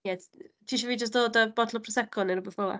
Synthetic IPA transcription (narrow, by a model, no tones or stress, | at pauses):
jɛtʰiːʃɔviːd͡ʒəst̚d̥oːdəbɔdlˠɔpʰrɔsɛkʰɔnənrʊbɔθv̥ɔa̰